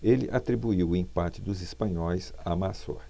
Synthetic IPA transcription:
elɪ̰ʔat̪ɾibuiwʊĩpat͡ʃɪd̪ʊzɪspɐ̃ɲɔjs | amasɔ̰ɾ

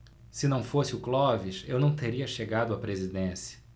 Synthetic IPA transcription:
sɪnɐ̃w̃fosɪʊklɔviʃewnɐ̃w̃t̪eɾiɐʃeɡad̪ʊɐpɾezid̪ẽsjɐ̥

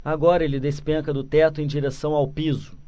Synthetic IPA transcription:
aɡɔɾɐelɪd̪espẽkɐd̪ʊt̪ɛt̪ʊẽj̃d͡ʒiɾesɐ̃w̃awpizʊ

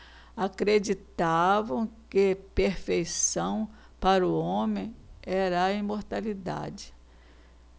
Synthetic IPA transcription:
akɾed͡ʒit̪avɐ̃w̃kɪpeɾfejsɐ̃w̃ | paɾʊõmẽj̃ɛɾɐĩmoɾt̪alid̪a̰d͡ʒɪ̥

